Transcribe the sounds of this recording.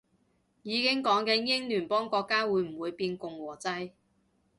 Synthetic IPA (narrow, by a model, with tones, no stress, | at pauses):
jiː˨˧kɪ˥ŋkɔː˨˥ŋkɛː˧jɪ˥ŋlyː˨˩npɔː˥ŋkɔː˧kːaː˥wuː˨˧jm̩˨˩wuː˨˧jpiː˧nkʊ˨˧ŋwɔː˨˩t͡sɐ˥j